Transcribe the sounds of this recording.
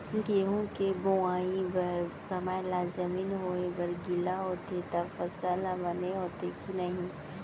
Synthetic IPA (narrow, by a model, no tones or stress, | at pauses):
ɡeːɦõkeboaːĩbɐɾsɐməjlaːzɐmiːnɦoːebɐɾɡɪlaɦoːt̪et̪afɐsaːlabɐneɦoːt̪ekinɐɦĩ